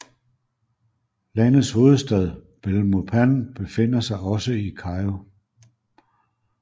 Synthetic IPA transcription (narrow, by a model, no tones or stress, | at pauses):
lænð̩ˠsho̝ːð̞̩ˠsd̥ɛð̞ˠ | b̥elmopʰænb̥e̝fe̝n̰ɐsɑ̈ɪɒ̽səikʰɑ̈ɪo